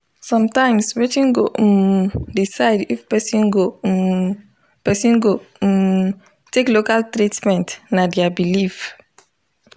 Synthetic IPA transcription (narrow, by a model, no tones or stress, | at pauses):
sɔ̃mtãjmswɛtĩŋɡoʔ | disaɪdifpɛsĩŋɡo | pɛsĩnɡo | teklokaltɾitmɛ̃ntnadiabilif